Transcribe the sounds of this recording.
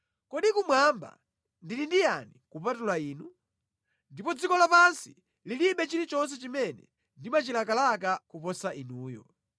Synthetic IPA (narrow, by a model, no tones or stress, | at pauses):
kɔɗikumwamba̰ | ndilindijanikupatulaiːnu | ndipɔd͡zikɔlapansi̥ | liliɓɛt͡ʃilit͡ʃɔns̬ɛt͡ʃimɛnɛ̰ | ndimat͡ʃilakalakakupɔsaʔinuːjɔ̰